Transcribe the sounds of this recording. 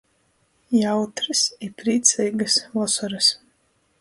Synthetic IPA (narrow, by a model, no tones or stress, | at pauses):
jawt̪ɾɨsipɾiːt̪sɛjɡasvɔsɔɾɨs